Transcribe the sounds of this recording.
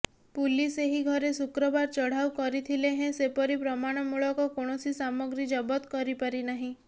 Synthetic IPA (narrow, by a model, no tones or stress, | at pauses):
puliseɦiɡʱɔɾesukɾɔbaɾt͡ʃɔɽ̤awkɔɾit̪ʰileɦẽsepɔɾipɾɔmaɽ̃ɔmuɭɔkɔkoɽ̃ɔsisamɔɡɾid͡ʒɔbɔt̪kɔɾipaɾinaɦĩ